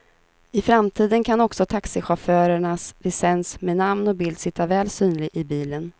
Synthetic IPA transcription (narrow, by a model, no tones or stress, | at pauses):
ɪfɾamt̪ʰiːd̪ənkʰanɔksɔt̪ʰaksɪɧafœːɾəɳasɾɪsɛnsmeːnamnɔk̚bɪld̪sɪt̪ʰːavɛːlsyːnlɪɡʔɪbiːlən